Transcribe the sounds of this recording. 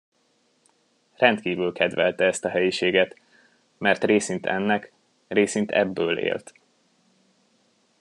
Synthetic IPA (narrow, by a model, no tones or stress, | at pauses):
rɛnt̪kiːvylkɛd̪ʋɛlt̪ɛɛst̪ɒɦɛjiʃeːɡɛt̪ | mɛrt̪reːsint̪ɛ̰nːɛk | reːsint̪ɛ̰bːøːlḛːlt̪